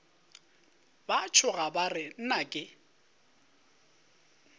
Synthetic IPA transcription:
bat͡ʃʰʊɣabarɪn̩nakʼɪ

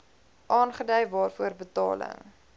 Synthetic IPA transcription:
ʔɑːnχədœjvɑːrfuərbətɑ̰ːlə̰ŋ

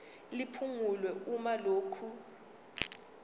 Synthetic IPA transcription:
lipʰuŋulwɛumaloːkʰu

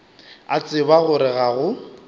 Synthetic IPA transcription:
at͡sʼɪbaɣʊɾɪɣaɣʊ

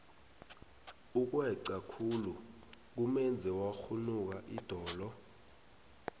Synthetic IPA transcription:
uk̬wɛǀakʰulu | k̬umɛnd͡zʱɛwaxunuk̬aʔid̥ʱɔːlɔ

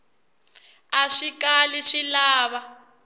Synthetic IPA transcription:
aʂikaliʂilaːβa

